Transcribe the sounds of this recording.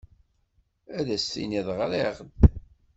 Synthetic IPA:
æðæsθḭniðˤʁleʁd̪

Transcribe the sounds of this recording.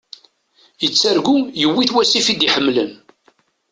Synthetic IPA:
jət͡sːæɾɡujəwːiθwæsifid̪iħəmːlə̰n

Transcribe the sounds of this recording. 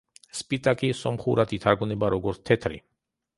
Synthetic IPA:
spʼit̪ʼakʼisɔmχuɾat̪ʰit̪ʰaɾɡunɛbaɾɔɡɔɾt̪t̪ʰɛt̪ʰɾḭ

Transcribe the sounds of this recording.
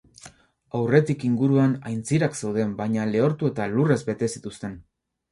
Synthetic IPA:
awre̞t̪ikiŋɡuɾuanajnt͡siɾaksewð̞e̞mbajɲale̞o̞ɾt̪ue̞t̪alure̞zbe̞t̪e̞sit̪ust̪e̞n

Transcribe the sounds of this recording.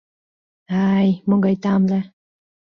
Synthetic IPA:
ajmoŋɡɑjt̪ɑmla

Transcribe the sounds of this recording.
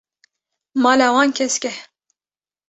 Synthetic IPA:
mɑːlawɑːnkʰʲɛskʲɛ

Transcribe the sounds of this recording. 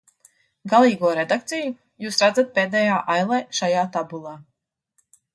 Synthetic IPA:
ɡalˠiːɡuɔɾed̪ak̚t̪sɛju | juːsɾad̪zat̪̚peːd̪ɛːjaːʔajlˠɛʃajaːt̪abulˠaː

